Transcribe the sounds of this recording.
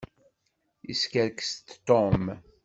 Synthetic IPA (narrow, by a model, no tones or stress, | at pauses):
iskəɾkst̪t̪ɔm